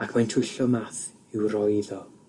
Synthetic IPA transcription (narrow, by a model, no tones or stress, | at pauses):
akʰmajntʰʊjɬɔmaθɪwrɔjðɔ